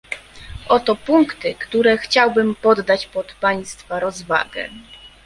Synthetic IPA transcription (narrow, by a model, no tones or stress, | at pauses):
ʔɔt̪ɔpuŋkt̪ɘkt̪uɾɛxt͡ɕawbɘmpɔd̪ːat͡ɕpɔt̪paj̃st̪faɾɔzva̰ɡɛ̰